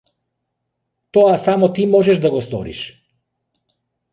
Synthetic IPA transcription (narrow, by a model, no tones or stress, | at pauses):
t̪oasamot̪imɔʒɛʒd̪aɡɔst̪o̰ɾḭʃ